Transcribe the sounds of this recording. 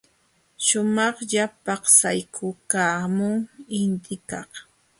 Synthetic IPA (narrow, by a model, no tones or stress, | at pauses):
ʃʊmɑχʎapɑχsajkʰʊkaːmʊŋɪnt̪ɪkɑχ